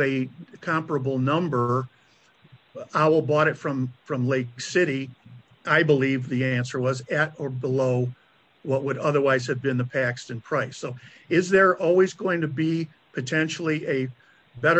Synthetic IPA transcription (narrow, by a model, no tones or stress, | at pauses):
ɨkʰɑ̃mpə˞əbl̩ˠnʌ̃mbə˞ | aʊl̩ˠbɔɾɨtfɹʌ̃ɱfɹʌ̃mleɪksɪɾi | ʔaɪbəlivðiæ̃nsə˞wʌzɨɾə˞bəloʊ | wʌt̚wəɾʌðə˞waɪz̥ɨvbɨ̃nðɨpʰækstɨ̃npʰɹ̥aɪsoʊ | ɪzðə˞ʔɔlˠwizɡoʊɪ̃ŋtɨbi | pʰɨtʰɛ̃nʃl̩ˠiʔɨ | bɛɾə